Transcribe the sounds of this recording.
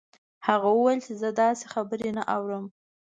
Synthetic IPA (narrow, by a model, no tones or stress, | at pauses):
haɣawəwajlt͡ʃezəd̪ɑsexabəɾenaʔawɾəm